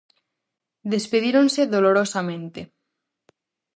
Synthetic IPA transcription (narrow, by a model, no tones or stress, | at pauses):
d̪espeðiɾonseðoloɾosamẽnt̪e